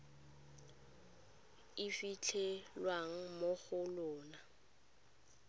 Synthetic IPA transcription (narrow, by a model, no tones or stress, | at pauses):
ɪfit͡ɬʰelwaŋ̩moχʊlʊːna